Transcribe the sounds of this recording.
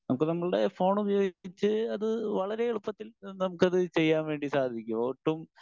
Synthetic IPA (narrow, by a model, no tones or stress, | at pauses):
nɐmukːɨnɐmːɐɭɨɽe̞fo̞ːɳubɐjo̞ːɡit͡ɕːɨɐðɨʋɐɭɐɾe̞eɭupːɐt̪ːilnɐmukːɐðɨt͡ɕe̞jːaːnʋe̞ːɳɖisaːd̪ʱikʲːuoːʈːum